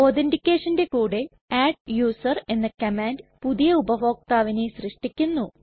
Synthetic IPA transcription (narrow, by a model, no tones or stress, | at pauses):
oːðendikʲːeːʂɐnde̞kuːɽe̞ | aːɖ̚juːsɐre̞nːɐkɐmaːndpuðijɐubɐʋo̞ːk̚t̪aːʋineɕrɨʂʈikʲːunːu